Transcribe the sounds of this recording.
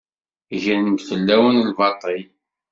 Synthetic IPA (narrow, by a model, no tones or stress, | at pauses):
ʝænənd̪θəlːæwənəlvɑt̪ˤəj